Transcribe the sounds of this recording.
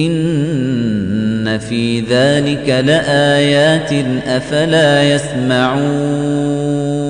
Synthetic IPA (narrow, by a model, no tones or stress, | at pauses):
ʔɪn | afiːðaːlɪkalɪʔaːjaːt̪ɪnʔafalaːjasmaʕuː